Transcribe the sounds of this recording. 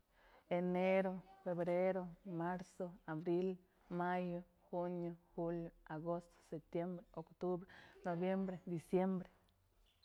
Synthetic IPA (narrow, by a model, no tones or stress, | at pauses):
eneɾofebɾeɾomaɾsoabɾil | majo | hunjoxuljoaɡost̪o̥sep̚t̪jembɾeokt̪ubɾenobjembɾed̪isjembɾe̥